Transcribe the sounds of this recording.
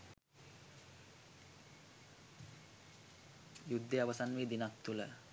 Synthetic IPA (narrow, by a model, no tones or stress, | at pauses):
jud̪ʱːeaʋəsanʋiːd̪inak̚t̪ulə̰